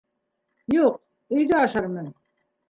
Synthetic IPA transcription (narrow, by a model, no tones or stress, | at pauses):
juq̚ | ɵ̆jd̪øɑʃɑɾmɤ